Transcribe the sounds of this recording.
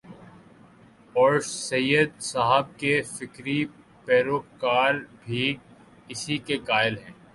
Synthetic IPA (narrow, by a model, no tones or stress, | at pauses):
ɔːɾsɐjəd̪saːɦəb̚kefɪkɾi | pɛːɾoːkkaːɾbʱi | ɪsikekaːɪlɦɛ̃ː